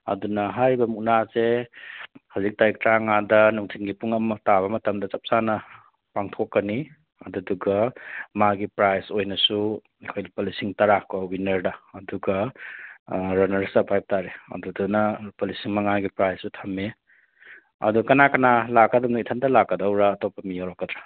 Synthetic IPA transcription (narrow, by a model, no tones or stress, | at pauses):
ɐ̰dunɐɦaɾibɐmuk̚naze | hazik̚tajik̚tɾaŋadɐnuŋtʰiŋɡipuŋɐmtaβɐmɐtɐmdɐt͡ʃɐp̚sanɐ | paŋtʰokːɐni | ɐ̰duduɡɐmaɡipɾajsojnɐsu | ekʰojlipɐlisiŋtɐɾakɔwinɐɾdɐːduɡɐ | ɾɐnɐɾsɐpʰajp̚taɾeɐ̰dudunɐpɐlisiŋmɐŋaɡipɾajsutʰɐmːe | ɐ̰duɡɐkɐnakɐnalakːɐdɐwnaitʰandɐlakːɐdawɾaːtɔpːɐmijawɾɔkːɐdɾa